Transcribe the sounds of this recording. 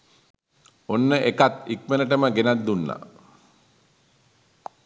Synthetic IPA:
onːəʔekat̪ik̚menəʈ̬əməɡenat̪̚d̪unːa̰

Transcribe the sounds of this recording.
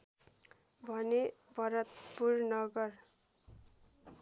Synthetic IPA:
bʱʌnebʱʌɾʌt̪purnʌɡʌr

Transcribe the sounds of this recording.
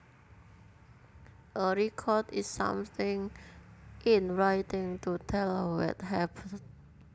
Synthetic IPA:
ʔəɹikʰɔdisːã̰mθɪ̃ŋ | ʔinɹajtɪ̃ŋtut̪ʰɛlwɛ̰t̚hæpʰən

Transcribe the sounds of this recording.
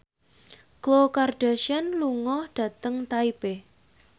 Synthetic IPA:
klokarɖ̥aʃanluŋɔhɖ̥ä̤t̪əŋt̪aib̥e

